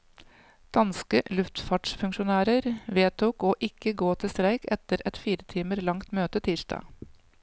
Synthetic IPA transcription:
d̪̥ɑnskəlʉft̪fɑʈʂfʉŋʃʊnæːɾəɾʋeːt̪ʰuːkoːʔɪkəɡoːt̪ʰɪst̪ɾæɪkɛt̪əɾɛt̪fiːɾət̪ʰiːməɾlɑŋt̪møːt̪ət̪ʰiːʂdɑ̰ː

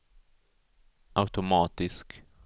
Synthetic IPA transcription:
ʔaʊt̪ɔmaːt̪ɪsk

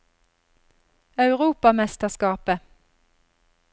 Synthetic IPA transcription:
ɑʉʁuːpɑmɛst̪əskɑːpə

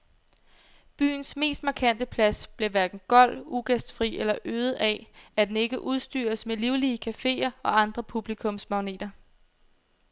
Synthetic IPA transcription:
b̥y̰ːn̩sme̝̰ːsd̥mɑ̈kʰæn̰d̥əpʰlæsb̥le̝ʋæɐd̥n̩ɡ̥ɒ̽l̰uɡ̥esd̥fʁḭelɐʔøːð̩ˠɛæd̥ene̝ɡ̥əʔuðˠsd̥y̰ːɐsmeliʊliːəkʰæfe̝̰ːɐɒ̽ɑ̈nd̥ʁɐpʰub̥likʰɔ̽msmɑ̈ʊne̝̰ːd̥ɐ

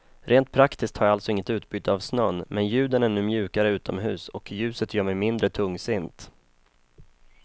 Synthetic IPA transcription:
ɾʔeːnt̪̚pʰɾakt̪ʰɪsk̚t̪haɾjaalt̪sɔɪŋːət̪ʉ̟ːt̪bʏːt̪ːəavsnœnːmɛnjʉ̟ːd̪ənæɳʉ̟ːmjʉ̟ːkaɾəʉ̟ːt̪ʰɔmɦʉ̟̰ːsɔkʰjʉ̟ːsət̪jœːmɛjmɪnd̪ɾət̪ʰɵŋːsɪnt̪

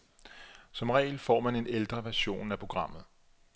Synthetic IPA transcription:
sɒ̽mʁɛ̰ːɪlfɒ̰ːmæne̝neld̥ʁɐʋæɐɕo̝̰ːnæpʰʁo̝ɡ̥ʁɑ̈m̰ð̞̩ˠ

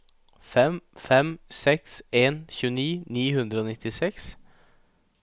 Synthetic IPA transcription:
fɛmfɛmsɛkseːnçʉːəniːniːɦʉnd̪ɾəoːnɪt̪ːɪsɛks

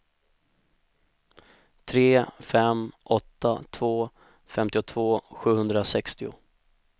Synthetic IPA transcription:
t̪ʰɾeːfɛmʔɔt̪ːat̪ʰvoː | fɛmt̪ɪʊt̪ʰvoːɧʉ̟ːhɵnd̪ɾasɛkst̪ɪʊ̰

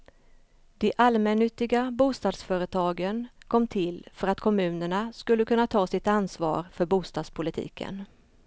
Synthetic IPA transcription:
d̪̥ɛʔalmɛnːʏt̪ːɪɡabuːst̪ɑːd̪sfœːɾət̪ʰɑːɡənkʰɔmːt̪ʰɪlfœɾat̪kʰɔmʉ̟ːnəɳaskɵlːəkʰɵnːat̪ʰɑːsɪt̪ansvɑ̰ːɾfœɾbuːst̪ɑːd̪spʰʊlɪt̪ʰḭːkʰə̰n

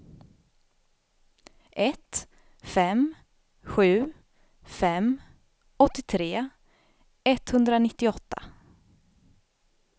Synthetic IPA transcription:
ʔɛt̪ | fɛm | ɧʉ̟ː | fɛm | ɔt̪ːɪt̪ʰɾeː | ɛt̪hɵnd̪ɾanɪt̪ːɪɔt̪ʰːa̰

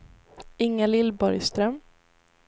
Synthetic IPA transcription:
ɪŋːalɪlbɔɾjst̪ɾœm

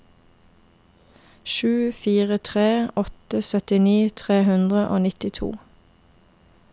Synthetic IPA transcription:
ʃʉːfiːʁət̪ʰʁeːɔt̪əsœt̪ɪniːt̪ʰʁeːhʉnd̪ʁəʔo̰ːnɪt̪ɪt̪ʰṵː

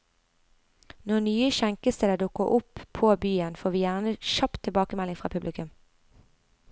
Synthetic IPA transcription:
nɔnyːəʃæŋkəst̪eːd̪əd̪ʊkəʔʊpʰːoːbyːənfoːʁʋiːjæʁnəʃɑpt̪ʰɪlbɑːkəmɛlɪŋfʁɑ̰ːpʰʉblɪkʉm

